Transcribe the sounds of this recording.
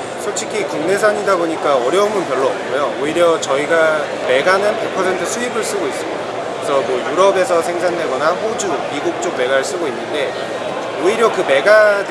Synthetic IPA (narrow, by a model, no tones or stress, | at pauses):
sʰoɭt͡ɕʰikʰikuŋne̞sʰaɲidaboɲik͈aʌɾjʌumɯnpjʌɭːoːp̚k͈ojooiɾjʌt͡ɕʌiɡa | me̞ɡanɯnpepʰʌsʰe̞ntʰɯsʰuibɯɭs͈ɯɡois͈ɯmidakɯɾesʰʌmwʌjuɾʌbe̞sʰʌsʰe̞ŋsʰandwe̞ɡʌnaɸod͡ʑumiɡuk̚t͡ɕ͈ok̚me̞ɡaɾɯɭs͈ɯɡoinːɯnde̞ | oiɾjʌkɯme̞ɡad